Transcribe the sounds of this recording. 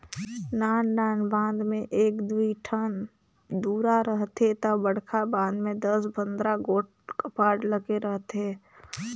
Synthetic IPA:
naːnːaːnbãːnd̪mẽʔeːkd̪uiʈʰən | d̪uːɾaɾəɦt̪ɦet̪əbəɽ̤kʰabãːnd̪mẽd̪əsbʱə̃nd̪ɾaɡoːʈ | kəpaːɾɖləɡeɾəɦt̪ɦeː

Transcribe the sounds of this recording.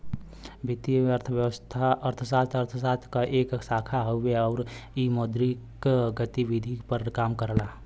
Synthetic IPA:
bɪt̪ijəɾt̪ʰəʋjəwəst̪ʰaəɾt̪ʰəsaːt̪ʰəɾt̪ʰəsaːt̪ʰkaʔeːksaːkʰaɦoeɔːɾimoːd̪ɾikɡət̪iʋid̪ʱipəɾkaːmkəɾlaː

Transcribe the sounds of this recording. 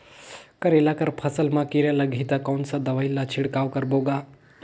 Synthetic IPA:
kɐɾelaːkəɾpʰəsəlmãkiɾjalɐɡʱit̪akoːnsad̪ɐʋailːat͡ʃʰɪɽkaːʋkəɾboːɡaː

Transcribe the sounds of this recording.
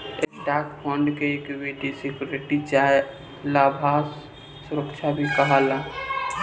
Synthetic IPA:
esʈaːkpʰɔ̃ɳɖkeekuʋeʈisɪkjuːɾɪʈit͡ʃaːe | laːbʱaːs | sʊɾəkʃʰabʱikɐɦaːlaː

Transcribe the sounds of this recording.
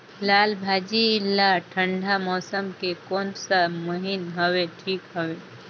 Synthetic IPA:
laːlbʱaːd͡ʒiɪlːaʈʰə̃ɳɖʱamɔːsəmkekɔːnsaməɦɪnɦəweʈʰiːkɦəwe

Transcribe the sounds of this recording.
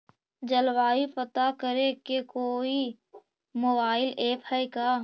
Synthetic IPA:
d͡ʒəlwaːipət̪akəɾekekoːi | moːbaːɪleːpʰhɛjkaː

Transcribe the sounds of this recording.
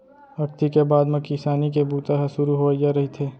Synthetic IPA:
ɐɾt̪ikebaːd̪mɐkɪsaːnikebʱuːt̪aɦsʊɾuɦoːd͡ʒaɾɐɦit̪ʰeː

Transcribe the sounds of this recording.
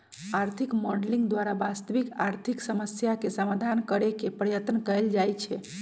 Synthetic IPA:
aɾt̪ʰikmɔɖliŋɡd̪waɾabast̪əʋikaɾt̪ʰiksəməsjakesəmad̪ʱankəɾekepɾəjət̪nkəld͡ʒajt͡ʃʰɛ

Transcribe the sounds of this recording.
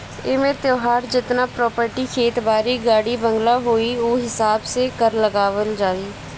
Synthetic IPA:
ɪːmẽːt̪joːɦaːɾd͡ʒɪt̪nãːpɾɔːpəɾʈiːkʰeːt̪baːɾiːɡaːɽiːbəŋɡlaːɦoːiːoːɦɪsaːbsẽːkəɾləɡaːʋəld͡ʒaːiː

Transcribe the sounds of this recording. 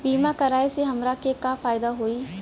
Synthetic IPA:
biːmakɐɾaːeseɦɐmɾakekafaːɪd̪aɦoːiː

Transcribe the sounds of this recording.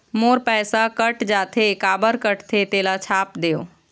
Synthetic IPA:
moːɾpɛːsakəʈd͡ʒat̪ʰekaːbəɾkəʈt̪ʰet̪elat͡ʃʰaːp̚d̪eːo̰

